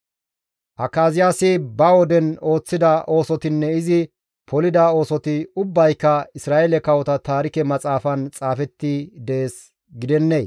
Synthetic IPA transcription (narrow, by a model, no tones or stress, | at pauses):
ʔɐkːaːzɪjaːsɪbɐwɔd̪ɛno̞ːt͡sːɪd̪ɐʔo̞ːsɔt̪ɪnːɛɪzɪ | pɔlɪd̪ao̞ːsɔt̪ɪʊbːɐjkːɐɪsɾaːelɛkɐwɔt̪ɐt̪aːɾɪkɛmɐt͡sʼaːfɐnt͡sʼaːfɛt̪ːid̪eːs | ɡɪd̪ɛnːej